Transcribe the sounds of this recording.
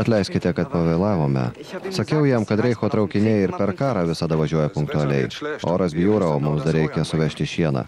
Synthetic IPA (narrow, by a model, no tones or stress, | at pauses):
ɐt̪ʲlʲɛɪsʲkʲɪt̪ʲɛkɐt̪̚pɐʋʲɛɪlˠɑːʋoːmʲɛ̰sɐkʲɛʊjiɛmkɐt̪ɾʲɛɪxoːt̪ɾɐʊkʲɪnʲeːɪɾpʲɛɾkɑːɾɑːʋʲɪsɐd̪ɐʋɐʒʲuɔjɛpʊŋk̚t̪ʊɐlʲɛɪoːɾɐsbʲjuːɾɐoːmʊmsd̪ɐɾʲɛɪkʲɛsʊʋʲɛʃʲt̪ʲɪʃʲiɛnɑ̰